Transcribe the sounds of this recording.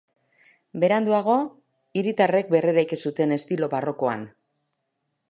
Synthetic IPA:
be̞ɾand̪uaɣ̞o̞ | iɾit̪are̞k̚be̞reɾajkesut̪e̞ne̞st̪ilo̞βaro̞ko̞a̰n

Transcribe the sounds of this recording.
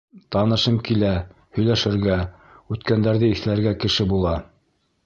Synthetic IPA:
t̪ɑnɤ̆ʃɤmkilæ | hɵ̆jlæʃɘ̆ɾɡæ | ʉt̪kænd̪æɾðɘiθlæɾɡækɘ̆ʃɘbulˠɑ

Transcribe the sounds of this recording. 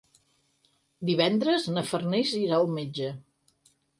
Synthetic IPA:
d̪iβɛnd̪ɾəznəfərneziɾaəlˠmed͡ʒə

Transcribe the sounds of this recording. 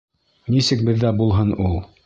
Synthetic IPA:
nisɘk̚bɘ̆ðːæbulˠɦɤnulˠ

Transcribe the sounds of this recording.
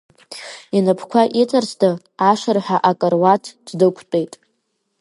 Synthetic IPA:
inapʰkʷʰaʔit͡sʼarsdɨ | aʂarħʷᶣaʔakʼərwatʰddɨkʷʰt͡pʼejtʼ

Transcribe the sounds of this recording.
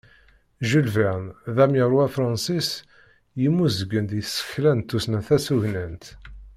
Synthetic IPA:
ʒəlvænðæmjəɾˤwæfɾˤɑnsis | jimːuzəɡənd̪jəθsə̥çlænt̪ːusnæθæsuʝnənt̪

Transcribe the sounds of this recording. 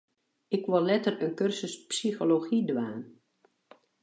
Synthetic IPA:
ɪkʋɔlɛtərənkørsəspsixoloxidʋaːn

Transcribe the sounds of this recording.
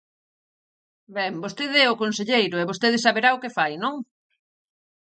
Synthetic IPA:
bɛmbost̪eðɛokonseʎejɾʊɛβost̪eðɪsaβeɾaʊkefajnõŋ

